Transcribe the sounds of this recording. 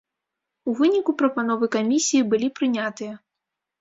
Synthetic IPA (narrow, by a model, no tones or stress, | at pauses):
uvɨnʲikupɾɐpan̪ɔvɨkamʲisʲijibɨlʲipɾɨnʲat̪ɨjɐ